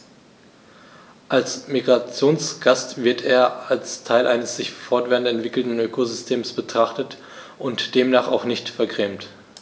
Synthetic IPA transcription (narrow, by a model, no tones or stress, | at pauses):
ʔalsmiɡʁat͡sjoːnsɡ̥astv̥ɪɐtʰeːɐalstʰaɪlʔaɪnəsz̥ɪçfɔɐtv̥eːʁntɛntv̥ɪkl̩tn̩øːkozʏstʰeːmsb̥ətʁ̥aχtət | ʔʊntd̥eːmnaːχaʊχnɪçtfɛɐɡʁɛːmt